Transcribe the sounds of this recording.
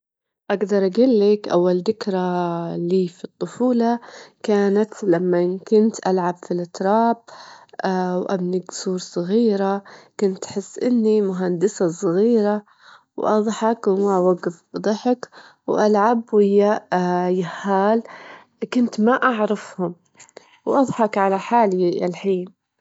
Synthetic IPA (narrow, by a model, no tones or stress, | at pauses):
ʔaɡd̪ɑɾˤʔaɡilːɪkʔawːald̪ɪkɾaliːfit̪ˤːʊfuːlɑkaːnat̪lamːakʊnt̪ʔalʕabfilʔɪt̪ɾˤɑːb̚ | wʔa̰bnɪɡsuːɾsˤɨɣiːɾakʊnt̪ħɪsːʔɪnːimʊɦand̪ɪsasˤɨɣiːɾa | wʔɑðˤħɑkwmawaɡɪfbd̪ˤɑħɪk | wʔalʕabwɪjːajahːaːl | kʊnt̪maʔaʕɾˤɑfhʊm | wʔɑðˤħɑkʕalaħaːlia̰lħiːn